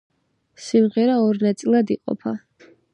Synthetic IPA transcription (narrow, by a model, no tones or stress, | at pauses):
simʁɛɾaɔɾnat̪sʼilˠad̪iqʼɔ̰pʰa